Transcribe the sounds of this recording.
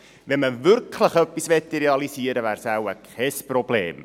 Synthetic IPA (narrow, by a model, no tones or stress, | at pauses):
vɛməvʏrkʰlˠəχœpisvɛtiɾealˠisiəɾəvæːrsawəkʰɛsprɔbleːm